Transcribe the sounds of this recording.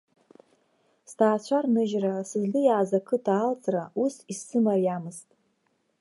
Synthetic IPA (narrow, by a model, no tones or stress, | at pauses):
stʰaːt͡ɕʷʰarnɨʒrasɨzlɨjaːzakʰɨdʰaːlt͡sʼrausisɨmarjamɨstʼ